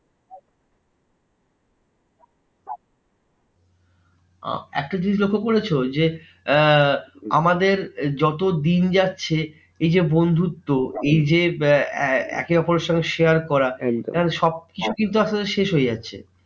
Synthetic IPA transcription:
a̰ɛ̰k̚ʈad͡ʑinid͡ʑlokʰːokoɾet͡ɕʰod͡ʑe | a̰mad̪eɾd͡ʑɔt̪od̪ind͡ʑatːɕʰe | ejd͡ʑebond̪ʱut̪ːoejd͡ʑe | ɛ̰keɔpoɾeɾʃɔŋɡeʃeaɾkɔɾaanʃɔb̚kit͡ɕʰukint̪̬uaʃad̪eɾʃeʃɦoed͡ʑatːɕʰḛ

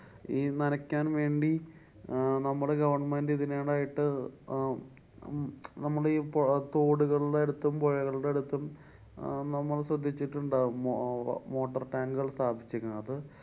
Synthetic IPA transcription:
iːnɐnɐkʲːaːnʋe̞ːɳɖi | nɐmːɐɭeɡɐʋɐrɳɐmɐːndɨiðineːɽaːjiʈːɨ | nɐmːɐɭiːpt̪o̞ːɽuɣɐɭuɽeeɽut̪ːɐmpoɻɐɣɐɭuɽeeɽut̪ːɐm | nɐmːɐɭsrɐd̪ʱːit͡ɕːiʈːuɳɖaː | mo̞ːʈːɐrʈaːŋɡuɣɐɭst̪aːbʱit͡ɕːukʲːɐðɨ

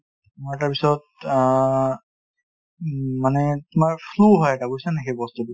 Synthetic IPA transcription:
maɛtapisɔt̚ | manɛtʊmaɹpʰluɦɔjɛtakojsanɛxejbɔstudi

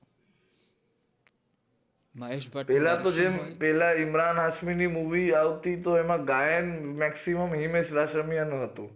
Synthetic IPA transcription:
pɛɦlãt̪od͡ʒempɛɦlaimɾanɦaʃminimuʋiaʋt̪it̪oemãɡajenmɛksiməmɦimeʃɾaʃɾəmijənũɦət̪ũ

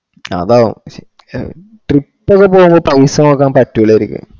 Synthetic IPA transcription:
ɐ̰ðaːṵ | ʈripːokːepːoːɣumboːɭpɐʋisɐmoːkːaːnpɐtːuiɭeɾikʲːṵ

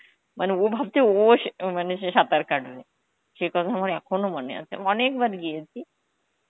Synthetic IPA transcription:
mʔaneobʱab̚t̪eoʃmaneʃeʃat̪aɾkaʈle | ʃekɔt̪ʰamaɾɛkʰonomonḛa̰t͡ɕʰḛɔnekbaɾɡijet͡ɕʰi

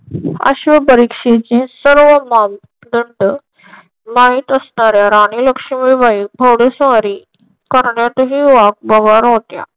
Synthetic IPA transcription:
ə̰ɕʋəpəɾikʂet͡ɕẽsəɾʋəmam | d̪əɳɖ | maɦit̪əsnaɾjaɾaɽ̃iləkʂəʋiʋaik̚bʱəwɽesʋaɾi | kəɾɳjat̪əɦiʋak̚bəɡaɾɦot̪ja̰

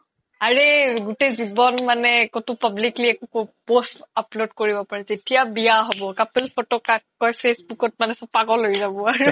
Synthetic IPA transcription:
aɹeɡutezibɔnmanɛkotʊpablikliɛkukopostaplodkoɹibɔpaɹɛzetijabijaɦɔbɔkapelpʰotɔkakːɔjpʰesbukɔt̚manɛsɔpaɡɔlojzabɔaɹu

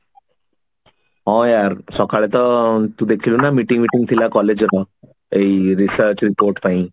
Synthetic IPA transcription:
ɦɔ̃jaɾsɔkaɭɛt̪ət̪ũd̪ekʰilonamiʈĩŋɡmiʈĩŋɡ̚t̪ʰilakɔled͡ʑɾɔ | eiɾisəɾt͡ɕɾipoɾʈpaɦĩ

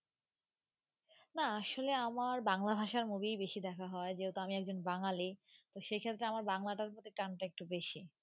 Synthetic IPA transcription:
naaʃoleamaɾbaŋlabʱaʃaɾmubijbeʃid̪ɛkʰaɦɔed͡ʑewt̪oamiɛkd͡ʑonbaŋalit̪oʃejkʰet̪ːɾeamaɾbaŋlaʈaɾpɔt̪ʰekanʈaek̚ʈubeʃi

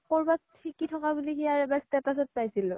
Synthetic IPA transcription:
kɔɹbathikitʰɔkabulikijaɹɛbastɛtasɔt̚pajsilʊ

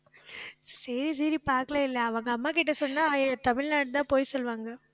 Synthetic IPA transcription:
sɐɾis̬ɐɾipaːɾkɐɭɐɪlːɐɐʋɐŋɡɐɐmːaːk̬ɪʈːɐsɔnːaːt̪ɐmɪɭnaːʈ̚t̪ãːpoːjsɔlʋaːŋɡɐ

